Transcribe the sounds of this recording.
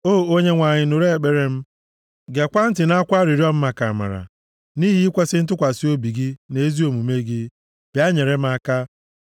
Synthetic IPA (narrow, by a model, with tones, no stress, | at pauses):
o˦˨o˦ɲe˦ŋʷa˨ɲɪ˨nʊ˨ɾe˦e˨k͡pe˦ɾe˦m̩˦ | ɡe˨kʷa˦n̩˦tɪ˨n˦a˦kʷa˦ɾi˨ɾi˦ɔ˦m̩˦ma˨ka˨ma̰˨ɾa̰˨ | ni˦ɦi˦i˦kʷe˦sɪ˦n̩˦t̬ʊ˦kʷa˨si˦o˦bi˨ɡɪ˦ne˨˦zi˦o˨mu˨me˦ɡɪ˦ | b̥ja˦ɲe˨ɾe˦m̩˦a˦ka˦